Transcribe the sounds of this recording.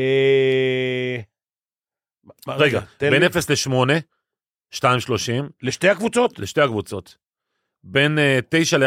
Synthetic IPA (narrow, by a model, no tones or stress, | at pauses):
e | ʁeɡa̰bennefesleʃmo̞ne̞ | ʃtaimʃlo̞ʃimleʃtehakvut͡sot̪leʃte̞jhakvut͡so̞t̪ | be̞nte̞jʃale